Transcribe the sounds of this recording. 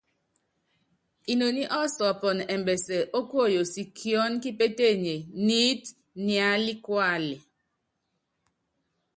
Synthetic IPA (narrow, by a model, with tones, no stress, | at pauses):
i˨no˨ni˦ʔɔ˦sɔ˨pɔ˨nɛ˨m˨bɛ˨sɛ˨ʔo˦ko˦˨jo˨si˨kʰjɔ˦nki˦pe˦te˦˨ɲe˨ni˦t | nja˨˦li˦kwa˦˨li˨